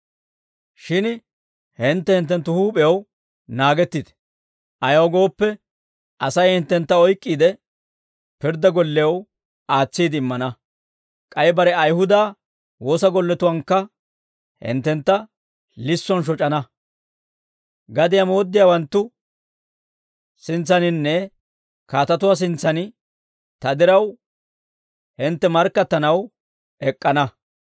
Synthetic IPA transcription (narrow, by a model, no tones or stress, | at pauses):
ʃɪn | hɪnt̪ːɛhɪnt̪ːɛnt̪ːʊhuːpʼɛjɐw | naːɡɛt̪ːɪd̪ | ʔɐjɐwɡo̞ːpːɛ | ʔɐsɐjhɪnt̪ːɛnt̪ːɐɔjkʼːiːd̪ɛ | pɪɾd̪ɐɡɔlːɛjɐw | aːt͡sːiːd̪ɪmːɐnɐ | kʼɐjbɐɾɛɐjhʊd̪aː | wo̞ːsɐɡɔlːɛt̪ʊwɐŋkːɐ | hɪ̰nt̪ːɛnt̪ːɐ | lɪsːɔnʃ̬ɔt͡ʃʼɐnɐ | ɡɐd̪ɪjamoːd̪ːɪjaːwɐnt̪ːʊ | sɪnt͡sːɐnɪnːɛ | kaːt̪ɐt̪ʊwaːs̬ɪnt͡sːɐnɪ | t̪ɐd̪ɪɾɐw | hɪnt̪ːɛmɐɾkːɐt̪ːɐnɐw | ɛkʼːɐnɐ